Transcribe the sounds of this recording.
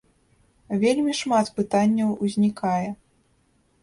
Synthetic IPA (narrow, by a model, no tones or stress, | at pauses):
vʲelʲmʲiʂmat̪pɨt̪anʲːɐwuzʲnʲikajɛ